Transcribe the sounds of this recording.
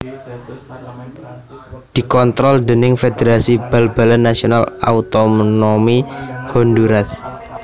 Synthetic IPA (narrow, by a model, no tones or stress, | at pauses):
d̪̥i̤kɔnt̪ɾɔld̪ənɪŋfed̪eɾasib̥a̤lba̤lanːasionala̰ut̪omnomihɔnd̪uɾas